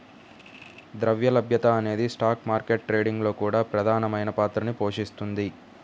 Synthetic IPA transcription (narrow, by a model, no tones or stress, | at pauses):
d̪ɾɐʋjɐlɐbjɐt̪ɐːne̞ːd̪isʈaːkmaːɾkeʈ̚ːʈɾeːɖiŋɡlo̞ːkuːɽaːpɾɐd̪ʱaːnɐmɐjnɐpaːt̪ɾɐnipo̞ːʂist̪und̪i